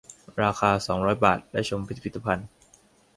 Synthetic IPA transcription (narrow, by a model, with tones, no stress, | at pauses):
ɾaː˧xʰaː˧sɔː˩˦ŋɾɔː˦˥jbaː˨˩t̪̚lɛː˦˥˩t͡ɕʰo˧mpʰi˦t̪̚ːpʰi˦˩t̪ːa˧pʰa˧n